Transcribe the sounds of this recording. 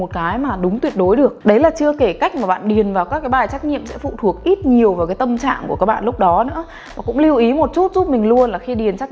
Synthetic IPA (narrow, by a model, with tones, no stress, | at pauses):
o˨˩t̚kaː˨˦jmaː˨˩ɗʊ˨˦ŋ͡mt̪wi˨˩ət̚ɗo˨˦jɗɨ˨˩ək̚ɗə˨˦jlaː˨˩t͡ɕɨ˧əke˧˩ka˦˥jk̟̚maː˨˩ɓa̰ː˧˨nɗi˨˩ənvaː˨˩wkaː˦˥kːaː˨˦jɓaː˨˩jt͡ɕaː˦˥k̚ɲḭ˧˨əmsɛ̰˧˥fṵ˧˨t̪ʰu˧˩ək̚ʔi˦˥t̚ɲi˨˩əwvaː˨˩wkaː˨˦jt̪ə˧mt͡ɕa̰ː˧˨ŋku˧˩kaː˦˥k̚ɓa̰ː˧˨lʊ˦˥k͡p̚ɗɔ˨˦nɨ̰˧˥ə | maː˨˩kʊ̰˧˥ŋ͡mli˧wʔi˨˦mo˨˩t̚t͡ɕu˦˥t̚zu˦˥p̚mï˨˩ŋ̟lu˧ənlaː˨˩xi˧ɗi˨˩ənt͡ɕaː˦˥